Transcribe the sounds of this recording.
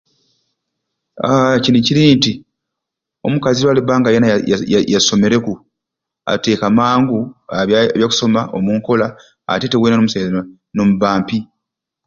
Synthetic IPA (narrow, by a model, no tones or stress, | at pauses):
aciniciɾinti | o̞̰mukaziɾwaːlibaːŋɡajenajaso̞me̞ɾe̞ku | a̰te̞ːkamaːŋɡuaβjaːku̥so̞maʔo̰muːŋko̞la̰ː | te̞te̞weːnanoːmusajiza | nomuβaːmpi